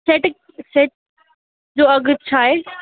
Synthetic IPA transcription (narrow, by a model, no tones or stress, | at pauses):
seːʈ | seːʈ̚ | d͡ʑoːɐɡʊt͡ɕʰaːɦeː